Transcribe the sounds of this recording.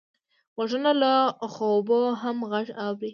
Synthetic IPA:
waʐənalaxoboɦamɣaʐawɾi

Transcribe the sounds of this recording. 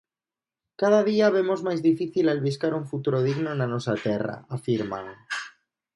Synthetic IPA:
kað̞aðiaβ̞emozmajzðifiθilalβiskaɾuɱfut̪uɾoð̞iɣnonanosat̪era̰afiɾma̰ŋ

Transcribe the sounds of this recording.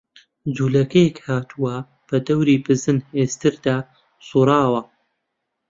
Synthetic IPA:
d͡zuːlɐkɐjekhaːt̪ʰuwɐ | b̥ɐd̪ɐwɾiːbɨzɨneːst̪ɨɾd̪aː | suːɾˤɑːwɐ

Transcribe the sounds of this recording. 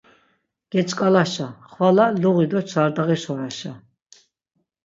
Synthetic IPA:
ɡ̥ɛt͡ʃʼkʼalaʃaχwalaluʁid̪ɔt͡ʃʰaɾd̪aʁɛʃɔɾaʃa

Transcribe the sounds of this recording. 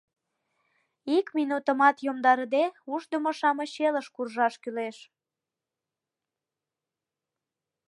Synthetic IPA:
ikminut̪ə̆mɑt̪jomd̪ɑɾəd̪euʒd̪əmoʃɑmə̆ɕeləʃkurʒɑʃkyleʃ

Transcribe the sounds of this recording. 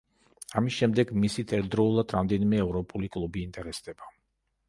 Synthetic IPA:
amisʃɛmd̪ɛɡmisit̪ʰʼɛɾd̪ɾɔulˠad̪ɾamd̪ɛnimɛːvɾɔpʼulikʼlˠubiːnt̪ʼɛɾɛsd̪ɛba

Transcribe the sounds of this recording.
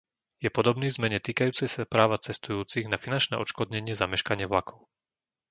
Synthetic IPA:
jɛpɔd̪ɔbniːvzmɛɲɛt̪iːkajuːt͡sɛjsapɾaːʋat͡sɛst̪ujuːt͡siɣnafinant͡ʃnɛ̰ːʔɔt͡ʃkɔd̪ɲɛɲɪɛzamɛʃkaɲɪɛʋlakʰɔʊ

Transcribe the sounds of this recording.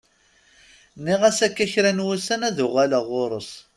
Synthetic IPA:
nːiʁæsækːæçɾænwusænæðʊʁælaʁʊɾˤəs

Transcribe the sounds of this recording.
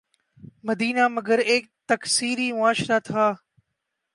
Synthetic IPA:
məd̪iːnaːməɡəɾeːk̚t̪əksiːɾiːmʊaːʃɾaːt̪ʰaː

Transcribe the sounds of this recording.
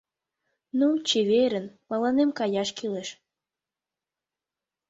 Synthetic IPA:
nut͡ɕeβeɾə̆npɑlɑnemkɑjɑʃkileʃ

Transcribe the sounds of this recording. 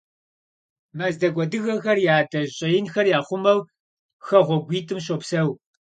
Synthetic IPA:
mɐzdɐɡʷɔdɨɣɐxɐrjaːdɐɕʼɐjɪnxɐrjaːχʷʊmɐw | xɐʁʷɔɡʷiːtʰʼɨmɕ̬opsɐw

